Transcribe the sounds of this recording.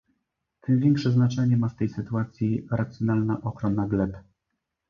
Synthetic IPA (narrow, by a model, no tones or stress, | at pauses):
t̪ʰɛnvʲjɛŋkʂɛznat͡ʂɛɲɛmast̪ɛjsɘt̪uat̪sʲjiɾat̪sʲjɔnalnaʔɔkɾɔnːaɡlɛp